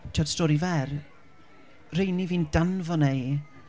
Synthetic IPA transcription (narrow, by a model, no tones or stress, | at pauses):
tʰɔd̥stɔɾivɛr | rejniviːnd̥anvɔnej